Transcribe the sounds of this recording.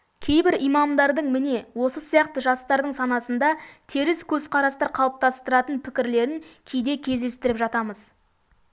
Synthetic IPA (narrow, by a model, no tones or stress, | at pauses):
kʲʰe̞jbɪɾijmɑmd̪ɑɾd̪əɴmɪne̞wo̞səsijɑqt̪əʒɑst̪ɑɾd̪əɴsɑnɑsənd̪ɑt̪ʰeɾɪskʲʰɵzqʰɑɾɑst̪ɑɾqʰɑlˠəp̚t̪ɑst̪əɾɑt̪ənpʰɪkʲɪɾle̞ɾɪŋkʲʰejd̪e̞kʲʰe̞zd̪e̞st̪ɪɾɪpʒɑt̪ɑməz